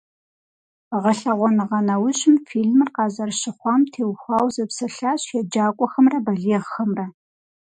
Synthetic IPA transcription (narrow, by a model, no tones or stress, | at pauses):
ʁɐɬɐʁʷɔnɨʁɐnɐwʊɕʼɪmfiːɮmɨrqɑːzɐrɕɪχʷɑːmtʰeːwxʷɑːwzɐpsɐɬaːɕjɛd͡ʒaːkʷʼɔxɐmrɐbɐɮeʁxɐmrɐ